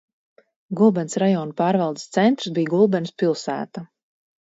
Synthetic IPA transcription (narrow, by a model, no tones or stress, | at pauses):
ɡulˠbɛnsɾajɔːnupaːɾvɑlˠd̪i̥st̪sɛnt̪ɾsbijɡulˠbɛnspilˠsæ̰ːt̪a